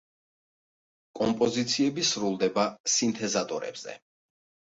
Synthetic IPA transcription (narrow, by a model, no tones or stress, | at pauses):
kʼɔmpʼɔzit̪sʰiɛbisɾulˠd̪ɛbasint̪ʰɛzat̪ʼɔɾɛ̰b̥z̥ɛ̰